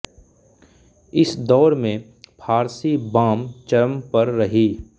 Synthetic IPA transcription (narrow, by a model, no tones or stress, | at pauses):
ɪsd̪ɔːɾmẽ | pʰaːɾsibãːmt͡ʃɐɾəmpɐɾːɐɦiː